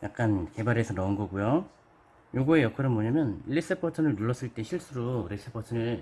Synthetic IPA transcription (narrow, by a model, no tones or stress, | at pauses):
jak̚k͈anke̞baɾesʰʌnʌɯnɡʌɡujo | joɡue̞jʌkʰʌɾɯnmoɲamjʌnʎːis͈ɯpʰʌtʰʌnɯɭnuɭːʌs͈ɯɭt͈e̞ɕʰiɭs͈uɾuɾis͈ɯpʰʌtʰɯnɯ